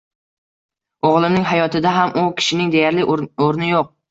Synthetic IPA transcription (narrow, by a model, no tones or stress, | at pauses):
oʁlˠɪmnɪŋɦajɒt̪ʰɪd̪aɦamʊkʲʰɪ̥ʃɪnɪŋd̪e̞jaɾlɪoɾnɪjoq̚